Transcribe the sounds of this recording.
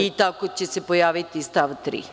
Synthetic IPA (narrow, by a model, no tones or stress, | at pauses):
it̪akot͡ɕesepojaːʋit̪ist̪aʋt̪ɾḭ